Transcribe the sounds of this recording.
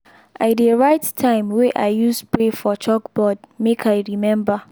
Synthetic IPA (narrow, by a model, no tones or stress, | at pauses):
ʔaɪdeɹaɪtːʰãɪ̃mweʔaɪjuspɹefɔt͡ʃɔkbɔd̚mekʰaɪɹimɛ̃mba